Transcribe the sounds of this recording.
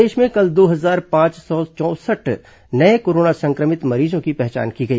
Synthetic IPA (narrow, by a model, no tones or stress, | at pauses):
eːʃmẽkɐld̪oːɦɐzaːɾpãːt͡ʃsɔːt͡ʃɔ̃ːsəʈ | nɐekoːɾoːnasɐ̃ŋkɾəmɪt̪mɐɾiːzõkipɛɦt͡ʃa̰ːnkiɡɐḭː